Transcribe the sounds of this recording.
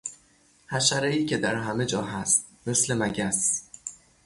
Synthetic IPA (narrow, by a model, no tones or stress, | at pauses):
hæʃæɾeiːcʰʲe̞d̪æɾɦæme̞d͡ʒɒːɦæst̪̚me̞sle̞mæɟæs